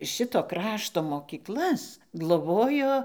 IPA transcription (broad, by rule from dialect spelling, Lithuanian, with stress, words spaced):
ˈʃʲɪtoː ˈkrɑːʃtoː moːkʲiːˈklˠɐs ɡlˠoːˈboːjoː